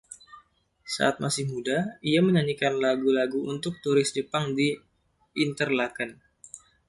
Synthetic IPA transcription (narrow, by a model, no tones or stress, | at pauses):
sa̰ʔat̪̚masɪhmudaiaməɲaɲikanlaɡulaɡuʔunt̪ʊk̚t̪uɾɪsdəpaŋdiː | nt̪ərlakən